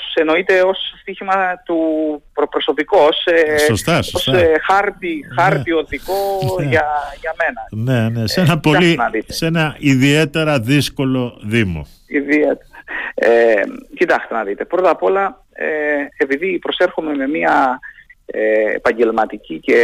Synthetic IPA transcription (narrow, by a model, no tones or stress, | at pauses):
eno̞it̪e̞o̞sːt̪içimɐt̪upopɾo̞so̞piko̞sesost̪ɐsoosxɐɾt̪ixɐɾt̪io̞ðikoʝɐʝɐme̞nɐnennesenɐpo̞ɐlisenɐðit̪esenɐiðie̞t̪e̞ɾɐðisko̞lo̞ðimo̰ | iðiet̪eɐecit̪ɐkst̪enɐðit̪e̞pɾo̞t̪ɐpo̞lɐ | eepiðipɾose̞ɾxome̞me̞miɐ | eḛpɐɲɟe̞lmɐt̪icice̞